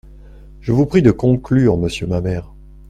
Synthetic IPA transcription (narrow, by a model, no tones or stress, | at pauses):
ʒəvupχid̪əkɔ̃klyːʁməsjəmamɛːʁ